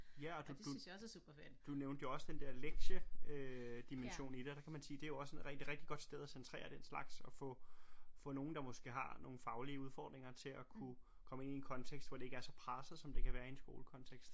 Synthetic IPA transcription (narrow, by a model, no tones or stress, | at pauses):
jæɒ̽d̥ud̥usub̥ɐfæɐ̥id̥uneʊnd̥əjo̝ɒ̽səd̥end̥eɐ̰leɡ̥ɕəød̥imenɕo̝̰ːnid̥eɒd̥ɑ̈kʰæmænsiːd̥e̝æjo̝ɒ̽səeʁɛɡ̥d̥iʁɛɡ̥d̥iɡ̥ɒ̽d̥sd̥eð̞ˠæsent͡sʰʁḛːɐd̥en̰slɑ̈ɡ̥sɒ̽fɔ̽fɔ̽no̝ːn̩d̥ɑ̈mɔ̽sɡ̥e̝ɦɑ̈no̝ːn̩fɑ̈ʊliəuð̞ˠfɒ̰ːd̥ʁeŋɐt͡sʰe̝lækʰu | kʰɒ̽məe̝nie̝nkʰɒ̽nt͡sʰeɡ̥sd̥ʋɒd̥e̝e̝ɡ̥æɐsɒ̽pʰʁɑsəð̩ˠsɒ̽md̥e̝kʰæʋæːɐiensɡ̥o̝̰ːləkʰɒ̽nt͡sʰeɡ̥sd̥